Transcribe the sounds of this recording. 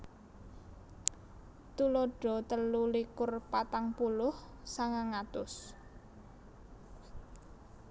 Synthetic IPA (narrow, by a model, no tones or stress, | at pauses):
t̪ulɔɖ̥ɔ̤t̪əlulikʊrpat̪aŋpulʊh | saŋaŋat̪ʊs